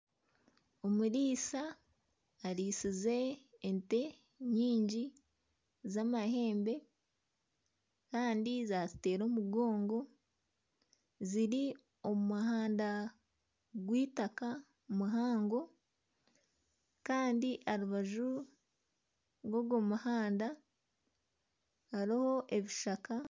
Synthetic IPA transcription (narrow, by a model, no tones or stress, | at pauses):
o̞muɾiːsaː | ɾiːsize̞ːnte̞ | ɲiːɲɟi | zamahe̞ːmbe̞ | kaːndizazite̞ːɾo̞ːmuɡo̞ːŋɡo̞ | ziɾi | o̞mumahaːnda | ɡwiːtaka | muɦaːŋɡo̞ | kaːndiʔaɾuβaʒu | ɾɡoɡomahaːnda | aɾiho̞ʔe̞βiʃaka